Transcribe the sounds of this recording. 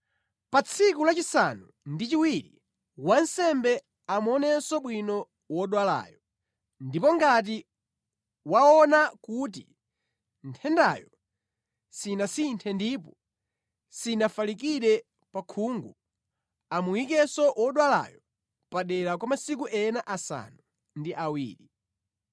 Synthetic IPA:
pat͡sʰikulat͡ʃisa̰nu | ndit͡ʃiwiɾḭ | wansɛmbɛ | amuɔnɛsɔɓwinɔ | wɔɗwala̰ːjɔ | ndipɔŋɡat̬i | waɔnakut̬ḭ | ntʰɛnda̰jɔ | sinasintʰɛndipɔ | sinafalik̬iɗɛ | pakʰuːŋɡu | amuwikɛsɔwʔɔɗwala̰jɔ | paɗɛɾakwamasik̬uʔɛnaʔasa̰nu | ndiʔawḭːɾi

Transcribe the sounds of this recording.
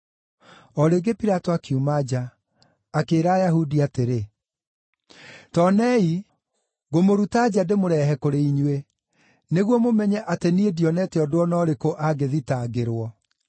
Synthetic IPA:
ɔɾeɡepiɾatɔakiumad͡ʑaː | keːɾaːjahudiateɾe | tɔnɛi | ɣomoɾutad͡ʑademoɾɛɦɛkoɾeiɲwe | neɣwɔmomɛɲɛʔateniediɔnɛtɛɔdoɔnɔɾekoʔaɡeðitaɡeɾwɔ

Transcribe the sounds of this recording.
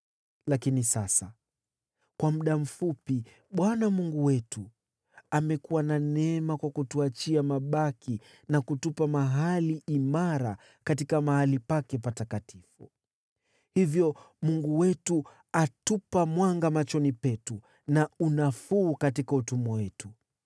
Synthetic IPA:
lakinisasa̰ | kwamuɗam̩fupi | ɓwanamuŋɡuwɛtu | amɛkuwananɛɛmakwakutuat͡ʃiamaɓaki | nakutupamaɦaliʔimaɾa | katikamahalipakɛpatakatifu | hivjɔ | muŋɡuwɛtu | atupamwaŋɡamat͡ʃɔnipɛtu | naunafuːkatikautumɔwɛtu

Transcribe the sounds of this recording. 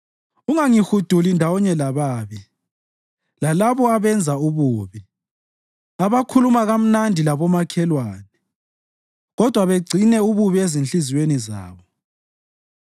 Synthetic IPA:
uŋaŋixud̥ʱulindʱawɔɲɛlaβaːβi | lalaβɔaβɛnd͡zʱauβuːβi | aβakʰulumaɣam̩nandʱilaβɔmakʰɛlwaːnɛ | ɣɔd̥ʱwaβeɡ͡ǀʱinɛuβuβiezinɬiziweniza̰ːβɔ

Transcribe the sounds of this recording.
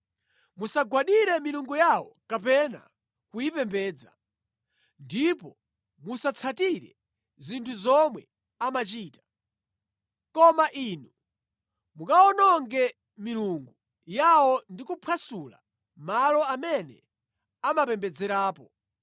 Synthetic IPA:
musaɡwaɗiɾɛmiluŋɡujawɔkapɛna̰ | kujipɛmbɛːd͡za | ndipɔ | musat͡sʰatiɾɛ̰ | zintʰuzɔmwɛ | amat͡ʃiːtḁ | kɔmaʔinu | mukaɔnɔŋɡɛ | miluŋɡu | jawɔndikupʰwasula̰ | malɔamɛnɛ̰ | amapɛmbɛd͡zɛɾaːpɔ

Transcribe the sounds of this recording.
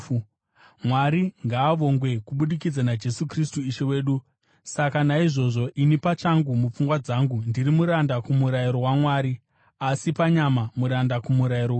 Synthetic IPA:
mwaɾiŋɡaːʋo̞ŋɡwe̞kuɓuɗikid͡zanad͡ʒe̞sukris̬tuiʃe̞we̞ːɗu | sakanaiʐo̞ʐo̞ʔinipat͡ʃaŋɡumup͡fuŋɡwad͡zaŋɡundiɾimuɾandakumuɾaiɾo̞wamwaːɾi | asipaɲamamuɾandakumuɾaiɾo

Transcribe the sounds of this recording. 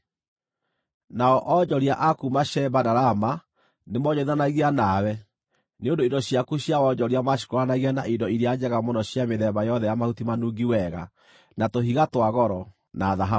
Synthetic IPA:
naɔʔɔd͡ʒɔɾiaʔakumaʃɛbadaɾama | nemɔɲɔiðanaɣianawɛ | neondoidɔɕjakuɕjawɔd͡ʒɔɾiamaɕ̬i̥koɾanaɣianaʔidɔiɾead͡ʒɛɣamɔnɔɕjameðɛβajɔðɛjamahutimanuɡiwɛɣa̰ | natoɦiɣatwaɣɔɾɔ | naðaɦa

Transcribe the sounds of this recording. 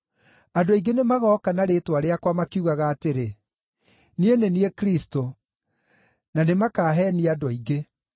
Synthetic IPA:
adoaiɡenemaɣɔkanaɾeːtwaɾeakwamakiuɣaɣaːteɾe | nieneniekɾisto | nanemakaːɦɛniadɔiɡe

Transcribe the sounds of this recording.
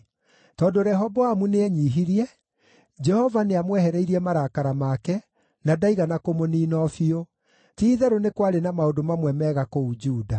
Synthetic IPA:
tɔːndoɾɛɦɔbɔamuneɛɲiːɦiɾiɛ | d͡ʒɛhɔvaneamwɛhɛɾɛiɾiɛmaɾakaɾamakɛ | nadaiɣanakomoniːnɔfio | tiːðɛɾonekwaɾenamaodomamwɛmɛɣakoud͡ʒuːda

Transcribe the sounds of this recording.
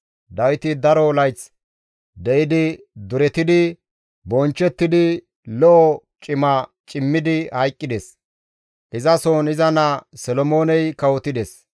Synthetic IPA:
d̪ɐwɪt̪ɪd̪ɐɾɔlɐjt͡s | d̪ɛjɪd̪ɪ | d̪ʊɾɛt̪ɪd̪ɪ | bɔnt͡ʃːɛt̪ːɪd̪ɪ | lɔʔɔt͡ʃʼɪmɐ | t͡ʃʼɪmːɪd̪ɪhɐjkʼːɪd̪ɛs | ʔɪzɐsoːnɪzɐnɐsɛlɔmo̞ːnɛjkɐwɔt̪ɪd̪ɛs

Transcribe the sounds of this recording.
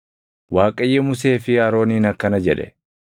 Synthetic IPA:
waːkʼɐjːɛmʊse̞ːfɪɐɾo̞ːniːnɐkːɐnɐd͡ʒɛᶑɛ̰

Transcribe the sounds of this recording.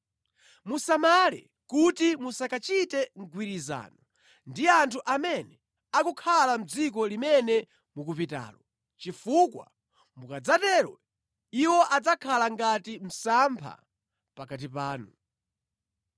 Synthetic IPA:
musamalɛ̰ | kutimusakat͡ʃitɛŋ̩ɡwiɾiza̰ːnɔ | ndiantʰuʔamɛnɛ | akukʰalam̩d͡zik̬ɔlimɛnɛ | mukupita̰ːlɔ | t͡ʃifukwa̰ | mukad͡zatɛːɾɔ | iwɔʔad͡zakʰalaŋɡatim̩sampʰa̰ | pakat̬ipaːnu

